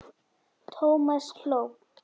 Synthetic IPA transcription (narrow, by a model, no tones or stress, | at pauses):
t̪ʰoməskʰlo